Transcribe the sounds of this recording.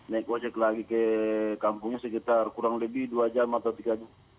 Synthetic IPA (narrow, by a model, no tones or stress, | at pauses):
naik̚ɔd͡ʒɛklaɡikɛkampuŋɲasɛkit̪arkuɾaŋlɛbiduad͡ʒamat̪awt̪iɡad͡ʒa